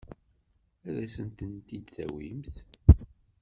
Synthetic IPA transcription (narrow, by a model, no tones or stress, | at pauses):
æðæsənt̪ənt̪id̪θæ̰wimθ